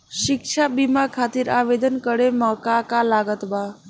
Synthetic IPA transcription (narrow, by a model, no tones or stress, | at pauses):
ʃikt͡ʃʰabimakʰat̪iɾaʋed̪ənkəɾemɔkakalaɡət̪ba